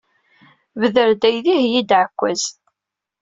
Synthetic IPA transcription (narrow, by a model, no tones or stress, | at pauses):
vəðəɾd̪æjðihjid̪ʕəkʷːæz̥